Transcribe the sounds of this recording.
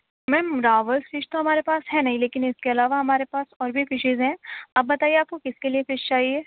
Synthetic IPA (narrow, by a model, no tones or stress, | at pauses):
mɛ̃ːmɾaːʋəlsfɪʃt̪oɦɐmaːɾepaːsɦɛnɐɦĩleːkɪnɪskeɐlaːʋaɦɐmaːɾepaːsɔːɾbʱifɪʃɪzɦɛ̃ːɐbːɐt̪aːieaːp̚kokɪskeliefɪʃt͡ʃaːɦieː